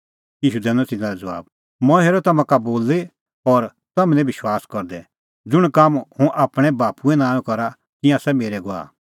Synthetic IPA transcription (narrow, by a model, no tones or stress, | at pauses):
jiːʃud̪ɛːnɔ̃t̪ɪnãɾɛd͡zɐʋa̰ːb | mɔ̃ɦeːɾɔt̪ɐmãkaboːle | ɔːɾ | t̪ɐmɛ̃nɛ̃bɪʃwaːskɔɾd̪ɛ | d͡zʊɽ̃kamhũʔaːpɽ̃ɛ̃baːpuɛ̃nãːjɔ̃kɔɾa | kɪ̃jãsɛmeːɾɛɡoa̰ː